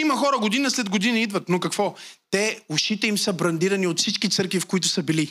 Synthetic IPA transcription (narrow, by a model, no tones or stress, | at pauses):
imɐxɔɾəɡod̪inəslɛd̪ɡod̪inəid̪vɐt̪nokɐkvɔt̪ɛʊʃit̪ɛimsəbɾɐnd̪iɾɐniot̪fsit͡ʃkit̪sɤɾkvifkʊit̪ʊsɐbili